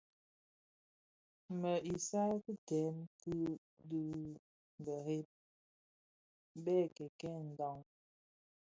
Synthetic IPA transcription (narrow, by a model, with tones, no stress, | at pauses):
mə˨ʔi˨sa˦ku˦tɛ˨˦nku˦ | du˦ | ŋ˨ɡə˨ɾe˦p̚ | bɛ˦˨kɛ˨kɛ˦n̩˨dɔ˦ŋ